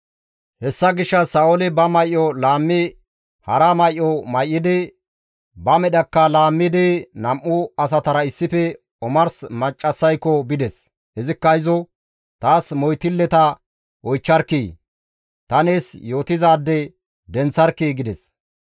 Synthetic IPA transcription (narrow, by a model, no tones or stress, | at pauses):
hɛsːɐɡɪʃːɐsaːɔlɛbɐmɐjʔɔlaːmːɪ | hɐɾɐmɐjʔːɔmɐjʔːɪd̪ɛ | bɐmɛɗɐkːɐlaːmːɪd̪ɛnɐmʔʊɐs̬ɐt̪ɐɾɐɪsːɪfɛ | ɔmɐɾsmɐt͡ʃʼːɐsːɐjkːɔbɪd̪ɛs | hɛzɪkːɐɪzɔ | t̪aːsmɔjt̪ɪlːɛt̪ɐ | ʔɔjt͡ʃːɐɾkːiː | t̪ɐneːsjo̞ːt̪ɪzaːd̪ːɛ | d̪ɛnt͡sːɐɾkːiɡɪd̪ɛs